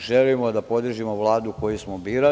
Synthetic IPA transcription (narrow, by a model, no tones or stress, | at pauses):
ʒelimod̪apo̞d̪r̩ʒimoʋlˠaːd̪uko̞jusmobiːɾa